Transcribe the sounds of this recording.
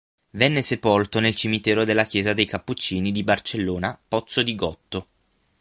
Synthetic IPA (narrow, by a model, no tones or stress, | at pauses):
vɛnːesepolt̪onelt͡ʃimit̪ɛːɾod̪elːak̟jɛːzad̪ejkapːut͡ʃːiːnid̪ibart͡ʃelːoːnapɔt̪sːod̪iɡɔt̪ːo